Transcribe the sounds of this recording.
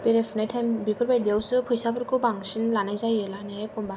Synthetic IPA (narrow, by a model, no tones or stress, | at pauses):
beɾepʰɯnajtʰajmbipʰɯɾbajdijawsɯpʰujsabʰɯɾkɯbaŋsinlanajzajelanekɔmba